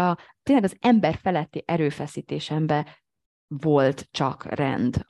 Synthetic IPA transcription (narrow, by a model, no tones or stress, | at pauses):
ɒt̪eːnlɛɡɒzɛmbɛrfɛlɛt̪ːiʔɛɾøːfɛsiːt̪eːʃɛmbɛ | vo̞lt̪t͡ʃɒ̰krɛ̰nd̪